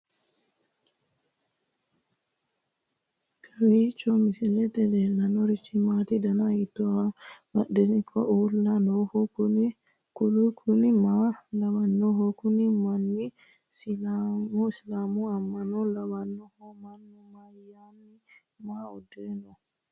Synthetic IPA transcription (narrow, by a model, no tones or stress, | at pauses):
kʰɐwit͡ʃːɔmisilɛt̪ɛlɛlːanɔɾit͡ʃːimat̪id̪ɐnait̪ːɔwabɐɗɛnikʰːɔ̰ʔuːlːanɔhɔu | kulukʰunimalɐwanːɔɦɔkunimanːi | silamuslaːmuamːɐnɔlɐwanːɔhɔmanːimajanːi | maːudɛnɔ